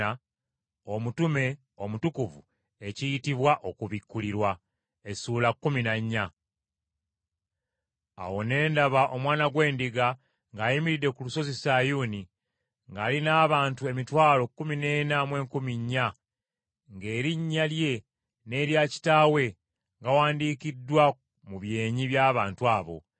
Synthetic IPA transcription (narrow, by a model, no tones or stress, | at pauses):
a | o̞mutume̞ | o̞mutukuvṵ | e̞cijitiβwaʔo̞kuβikːuliɾwa | e̞suːlakːuminaɲːa | a̰wo̞ne̞ːndaβaʔo̞mwaːnaɡwe̞ːndiɡa | ŋɡaːjimiɾide̞kuluso̞zisaːjuːni | ŋɡaːlinaːβaːntue̞mitwaːlo̞kːumine̞ːnamwe̞ːŋkumiɲːa | ŋɡe̞ːɾiɲːalje̞ | ne̞ːɾjaci̥taːwe̞ | ŋɡawaːndiːkidːwa | muβje̞ːɲiβjaːβaːntuaːβo̞̰